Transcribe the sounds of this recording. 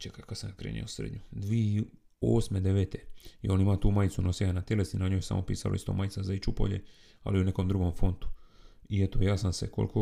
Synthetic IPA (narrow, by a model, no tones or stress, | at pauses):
t͡ʃekajkad̪samjakɾḛːnḭosɾed̪ɲud̪ʋiei | oːsme̞d̪e̞ʋeːt̪e̞jo̞ːnimat̪uːmajit̪sunosianat̪jelesinaɲoːjsa̰mopiːsa̰loist̪o̞̰ːmajt̪azait͡ʃupo̞̰ʎḛ | a̰liune̞ko̞md̪ɾuːɡo̞mfo̞nt̪u̥ | iet̪ojaːsamse̞̰ko̰lkʰo